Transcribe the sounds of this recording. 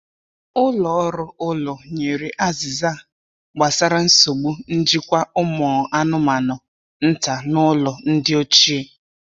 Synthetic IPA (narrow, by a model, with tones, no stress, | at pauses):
ʊ˦lɔ˨ɔ˦ɾʊ˦ʊ˦lɔ˨ɲe˨ɾi˨ʔa˦zɪ˨za˦˨ | ɡ͡ba˨sa˦ɾa˦n̩˦so˨ɡ͡bu˦n̩˦d͡ʒi˦kʷa˦ʊ˦mɔː˨a˦nʊ˦ma˨nʊ˨ | n̩˦ta˨nʊ˦lɔ˨n̩˦dɪ˦o˦t͡ʃi˦e˦